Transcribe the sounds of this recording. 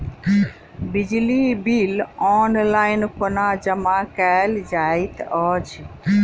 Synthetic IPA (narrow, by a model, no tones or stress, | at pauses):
bid͡ʒlibilɔnlaːɪnkonad͡ʒəmakɛld͡ʒait̪ɔt͡ʃʰ